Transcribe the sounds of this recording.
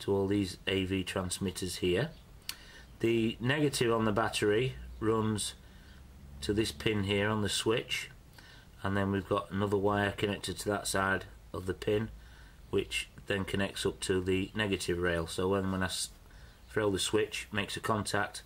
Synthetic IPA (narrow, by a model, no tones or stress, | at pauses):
tʰəɔlˠðizeɪvitʰɹ̥ãnsmɪtʰəz̥hiə | ðɨnɛɡɨtʰɪvə̃nðəbatəɹiɹʊ̃nz̥ | tʰəðɪspʰɪ̃nɦiəɹə̃nðəswɪt͡ʃ | ə̃nðə̃nwivɡɑʔənʊðəwaɪəkʰənɛk̚tɨd̚tʰəðətsaɪd | əvðəpʰɪ̃n | wɪt͡ʃðə̃nkʰənɛk̚tsʊp̚tʰəðɨnɛɡɨtɪvɹeɪlˠsoʊwə̃nwə̃naɪs | θɹeɪlˠðəswɪt͡ʃmeɪksəkʰɒ̃ntʰak̚t